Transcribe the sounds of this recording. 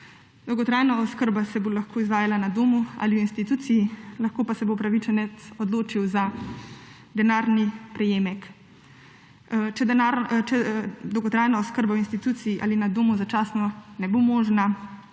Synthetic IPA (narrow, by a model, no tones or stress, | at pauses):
d̪ɔwɡɔt̪ɾaːjnaɔskəɾbasɛbolaxkʰoːizʋaːjalanad̪oːmua̰liwinst̪it̪uːt̪sijilaxkoːpasɛbopɾaʋit͡ʃɛnɛt̪sɔd̪loːt͡ʃiwza | d̪ɛnaːɾnipɾɛjeːmɛk | t͡ʃɛd̪ɛnaɾt͡ʃɛd̪ɔwɡɔt̪ɾaːjnaɔskəɾbawinst̪it̪uːt̪sijiʔa̰linad̪oːmuzat͡ʃaːsnɔnɛbomɔːʒna